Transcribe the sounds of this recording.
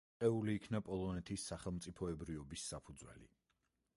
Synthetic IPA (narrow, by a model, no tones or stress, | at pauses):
ɛuliːkʰnapʼɔlˠɔnɛt̪ʰisːaχɛlˠmt̪sʼipʰɔɛbɾiɔbisːapʰud̪zwɛ̰lḭ